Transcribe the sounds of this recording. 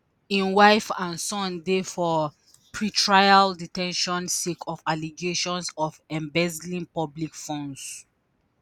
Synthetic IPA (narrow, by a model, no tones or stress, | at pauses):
ĩnwaɪfãnsɔ̃ndefɔ | pʰɹitʰɹajalditɛ̃nʃɔ̃nsekʰɔfaliɡeʃɔ̃nsɔfɛ̃mbɛzlĩnpɔblikfɔ̃ns